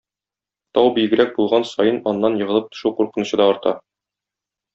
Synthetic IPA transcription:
t̪ɒwbijɡɘ̆ɾæk̚bulˠʁɑnsɒjɤnɒnːɑnjɤ̆ʁɤ̆lˠɤp̚t̪ŏ̥ʃuwquɾqɤ̆nŭɕɤ̆d̪ɑɒɾt̪ɑ

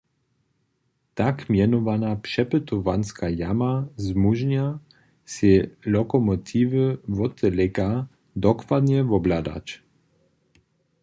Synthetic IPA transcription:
t̪akmjɛnɔvanapʂɛpət̪ɔvanskajamazmuʒɲa | selɔkɔmɔt̪ʰiːvəvɔt̪ʰəlɛka | d̪ɔkvad̪ɲɛvɔblad̪a̰t͡ʃ

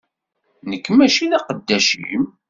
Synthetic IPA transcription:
nəkːmæʃilæqəd̪ːæʃḭm

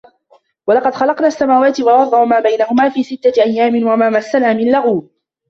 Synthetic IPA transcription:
wɑlɑqɑd̪xɑlɑqnaːʔasːamaːwaːt̪ɪwɑwɑɾˤːɑʔmaːbajnahʊmaːfiːsɪt̪ːaʔajːaːmɪnwaʔamaːmasːalaːmɪllaɣuː

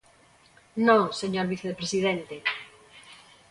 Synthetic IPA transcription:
nõseɲoɾβiθeepɾesið̞ẽnt̪e

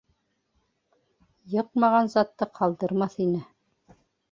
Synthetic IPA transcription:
jɤqmɑʁɑnzɑt̪ːɤqʰɑlˠd̪ɤ̆ɾmɑθinɘ

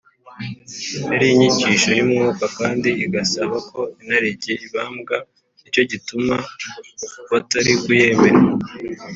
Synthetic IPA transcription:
neɾiɲiciʃo̞jumŋuːkakaːndiːɡasaβako̞inaɾeɟeiβaːmɡa | ico̞ɟituma | βataɾikuje̞ːβeɾa

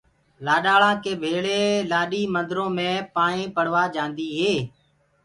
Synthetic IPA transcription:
laːɗaːɭãːkeːbʱeːɭeːlaːɗiːmənd̪ɾõːmẽːpaːɳẽːpəɽ̤ʋaːd͡ʒãːnd̪iːɦeː

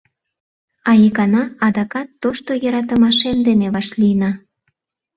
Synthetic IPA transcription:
ɑjəkɑnɑɑd̪ɑkɑt̪ːoʃt̪ojəɾɑt̪ə̆mɑʃemd̪eneβɑʃlinɑ

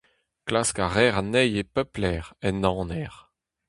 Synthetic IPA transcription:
klaskaʁɛʁanɛjepœplɛːʁɛnɑ̃ːnɛʁ

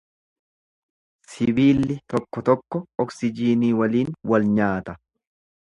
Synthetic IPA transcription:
sɪbiːlːɪt̪ɔkːɔt̪ɔkːɔɔksɪd͡ʒiːniːwɐliːnwɐlɲaːt̪ɐ

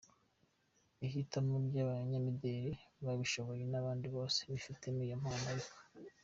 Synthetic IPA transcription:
ihitamubjaβaɲamideɾiβaβiʃo̞βo̞jenaβaːndiβo̞ːseβifitemiːjomhanaje

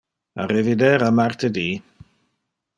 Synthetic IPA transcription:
a̰ɾɛvɪdɛɾamartʰədiː

